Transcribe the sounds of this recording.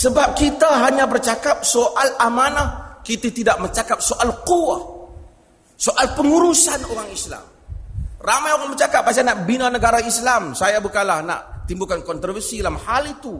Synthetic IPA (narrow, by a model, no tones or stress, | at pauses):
səbap̚kit̪aɦaɲabərt͡ʃakap̚soʔalamanahkit̪at̪idaʔ̚məɲt͡ʃakap̚soʔalquwat | soʔalpəŋuɾusanoɾaŋisla̰m | ramajoɣaŋbət͡ʃakap̚ːas̬anaʔbinanəɡaɾaislamsajabukanlahna̰ʔt̪imbukankɔnt̪ɾɔfərsidalamhalit̪u